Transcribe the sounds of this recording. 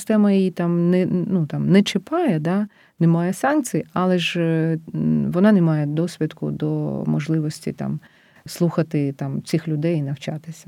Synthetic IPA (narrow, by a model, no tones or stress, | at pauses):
st̪ɛmɐjijit̪ɑmnɛnut̪ɑmnɛt͡ʃɪpɑjɛd̪ɑ | nɛmɑjɛsɑnkt͡sʲijɐlˠɛʒ | ʋɔnɑnɛmɑjɛd̪ɔsʲʋʲid̪kʊ̰d̪ɔ̰mɔ̰ʒlˠɪʋɔsʲtʲḭt̪ɑ̰m | slˠuxɐt̪ɪt̪ɑmt͡sʲixlʲʊd̪ɛjinɐwt͡ʃɑt̪ɪsʲɐ̥